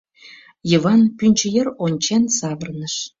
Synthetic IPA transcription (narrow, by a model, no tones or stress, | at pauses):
jəβɑnpynʲt͡ɕəjəronʲt͡ɕensɑβərnəʃ